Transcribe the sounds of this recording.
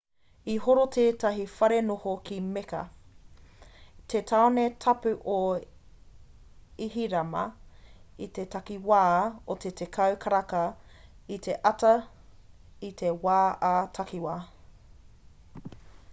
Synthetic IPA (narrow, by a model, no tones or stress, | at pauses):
ihoɾotʰeːtɐɦifɐɾenohokʰimekɐ̰ | tʰetʰaonetʰɐpʉʔo | iɦiɾɐmɐ̰ | itetɐkiwaːotetʰekʰɐwkʰɐɾɐkɐ | itʰeʔɐtɐ | itʰewaːʔaːtʰɐkiwaː